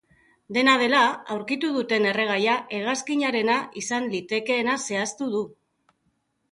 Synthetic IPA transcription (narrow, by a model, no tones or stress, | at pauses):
d̪e̞nað̞e̞laawɾkit̪uð̞ut̪e̞ne̞re̞ɣ̞ajaʔe̞ɣ̞askiɲaɾe̞naʔisanlit̪e̞ke̞ːnase̞ast̪uð̞u